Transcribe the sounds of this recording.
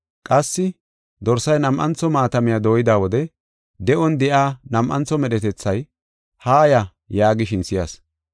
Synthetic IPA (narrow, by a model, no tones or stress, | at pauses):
kʼɐsːɪ | d̪ɔɾsɐjnɐmʔɐnt͡sɔmaːt̪ɐmɪjad̪o̞ːjɪd̪aːwɔd̪ɛ | d̪ɛʔɔnd̪ɛʔaːnɐmʔɐnt͡sːɔmɛɗɛt̪ɛt͡sːɐj | haːjɐ | jaːɡɪʃɪnsɪjas